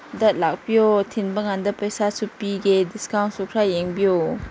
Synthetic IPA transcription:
dɐt̪̚lak̚biot̪ʰinbəŋand̪ɐpəjsasupiɡediskawntsukʰɾajeŋbijo

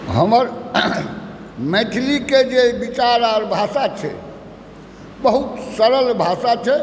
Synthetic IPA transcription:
ɦəməɾ | mɛʈ̪ʰiliked͡ʒebit͡ʃaɾaɾbʱasat͡ʃʰɛ̰ | bəɦut̪səɾəlbʱasat͡ʃʰɛ

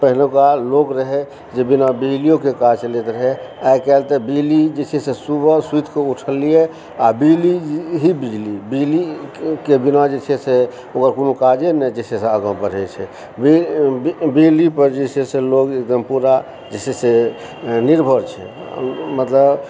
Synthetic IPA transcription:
pəɦnokalokɾəɦɛ | d͡ʒebinabilijokekad͡ʒlet̪ɾəɦɛajkɛlt̪ɛbilid͡ʒet͡ʃʰesesubəsit̪ʰkeuʈʰəlːije | abiliɦibid͡ʒlibilikebinad͡ʒet͡ʃʰɛse | okəɾkonokad͡ʒenɛd͡ʒeseseəɡãpəɾɦɛt͡ʃʰɛ | bi | bid͡ʒlipəɾd͡ʒesʰeselokek̚d̪əmpuɾa | d͡ʒesese | niɾbʱəɾt͡ʃʰɛ̰ | mət̪ləb

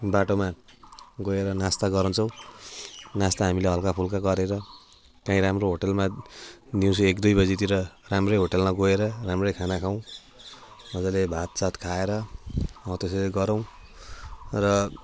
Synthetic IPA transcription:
baʈoma | ɡoeɾʌnast̪aɡʌɾʌ̃nt͡sʰʌw̃ | nast̪aɦamileɦʌlkapʰulkaɡʌɾeɾʌ | kãĩɾamroɦoʈʌlmad̪iw̃t͡sʰuekd̪ujbʌd͡zit̪iɾʌramrʌjɦoʈelmaɡoeɾʌramrʌjkʰanakʰaw̃ | ʌd͡zalebʱat̪̚t͡sat̪kʰaeɾʌʌ̃t̪eseɾeɡʌɾʌw̃ | rʌ

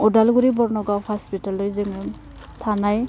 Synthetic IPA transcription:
ɔdalɡuɾibɔɾnɔɡawhaspitalːɔjzɯŋɛm | tʰanaj

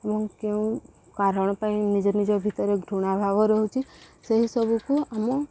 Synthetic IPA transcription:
əmɔ̃keũ | kaɾəɽ̃pãĩnid͡ʒɔnid͡ʒobʱit̪əɾeɡɾʱuɽ̃abʱaʋoɾəɦũt͡ʃʰiseɦisəbukuəmũ

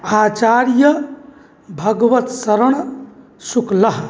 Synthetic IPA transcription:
at͡ʃaɾjə | bʱəɡʋət̪səɾəɽ̃ | sukləɦ

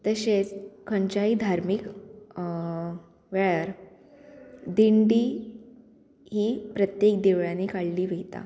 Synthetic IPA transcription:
t̪əɕet͡skʰəɲt͡ɕaiːd̪ʱaɾmik | ʋeɭaɾ | d̪iɳɖiː | ɦiːpɾət̪jek̚d̪iʋɭjaniːkaɭliːʋeɦit̪a̰

